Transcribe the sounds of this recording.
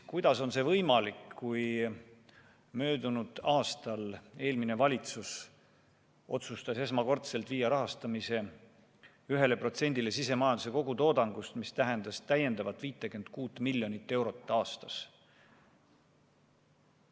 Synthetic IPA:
kujd̪̥ɑso̞nse̞vɤjmɑlikkuj | mø̞ːd̪̥unud̪̥ɑːst̪ɑle̞ːlmine̞vɑlʲit̪sus | o̞̰t̪sust̪ɑse̞smɑko̞rt̪se̞lt̪viːjːɑɾɑɦɑst̪ɑmise̞ | yɦe̞le̞pro̞t̪se̞nʲd̪ile̞sise̞mɑjɑnd̪us̬e̞ko̞ɡ̥ut̪o̞ːd̪ɑŋɡ̥ust̪mist̪æɦend̪ɑst̪æje̞nd̪ɑvɑt̪ːˑviːt̪ːˑeke̞nd̪̥̚kuːt̪ːˑmilʲːjo̞nit̪ːe̞wɾo̞t̪ːɑːst̪ɑs

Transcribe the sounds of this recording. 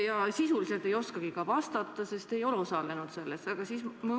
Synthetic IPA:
jɑsisulise̞lt̪ːˑe̞jo̞skɑɡ̥ikɑvɑst̪ɑt̪ːˑɑse̞st̪e̞jo̞leosɑle̞nut̪se̞lːesɑɡ̥ɑsiːsmɑ

